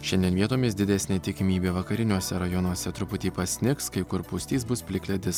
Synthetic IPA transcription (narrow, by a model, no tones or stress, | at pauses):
ʃʲɛnʲd̪ʲiɛnʋʲiɛt̪oːmʲɪsd̪ʲɪd̪ʲɛsʲnʲeːt̪ʲɪkʲɪmʲiːbʲeːʋɐkɐɾʲɪnʲuɔsʲɛɾɐjɔnuɔsʲɛt̪ɾʊpʊt̪ʲiːpɐsʲnʲɪkskɐɪkʊɾpʊsʲt̪ʲiːsbʊspʲlʲɪkʲlʲɛd̪ʲɪs